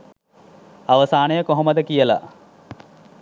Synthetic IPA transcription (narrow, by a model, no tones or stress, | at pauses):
ɐʋɐsaːɳɐjɐkoɦɐmɐd̪ɐkijɐlɐ̰